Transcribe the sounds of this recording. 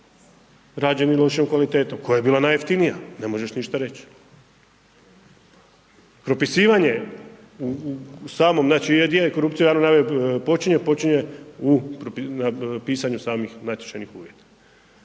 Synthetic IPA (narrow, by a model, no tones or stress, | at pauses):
ɾaːd͡ʒe̞nilˠo̞ʃiomkʋalit̪e̞ːt̪omko̞jajebiːlˠanaːjeft̪inijane̞mo̞ʒeʃniʃt̪aɾe̞t͡ɕ | pɾo̞pisiːʋaɲe̞ | usaːmo̞mnaːt͡ʃied̪jeko̞ɾupt̪siujaɾnonaʋepo̞t͡ʃiɲepo̞t͡ʃiɲe̞upɾopinapiːsaɲusaːmixnat̪je̥t͡ʃanixṵːʋje̞t̪ḁ